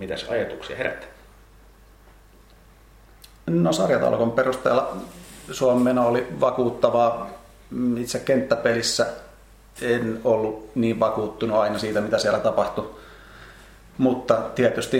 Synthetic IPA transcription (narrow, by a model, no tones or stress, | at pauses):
mit̪æsɑ̰jɑt̪uksiɑ̰heɾæ̰t̪ːæ̥ | nosɑrjɑt̪ɑ̰lkomperust̪ḛːlːɑsuomːenɑoliʋɑkuːt̪ːɑʋɑː | it̪sækkent̪ːæpelisːæ | enolːuniːʋʋɑkuːt̪ːunuɑinɑsiːt̪æmit̪æsiælːˑæt̪ɑpɑht̪u | mut̪ːɑt̪iæt̪yst̪i